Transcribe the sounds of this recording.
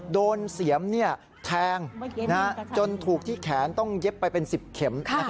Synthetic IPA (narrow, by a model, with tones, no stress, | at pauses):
doː˧nsi˩˦əmni˥˩ɐ | t̪ʰɛː˧ŋna˦a˦˥t͡ɕo˧nt̪ʰuː˨˩k̚t̪ʰiː˥˩kʰɛː˩˦nt̪ɔ˥˩ŋje˦˥pːa˧jpe˧nsi˨˩p̚kʰe˩˦ma˧˩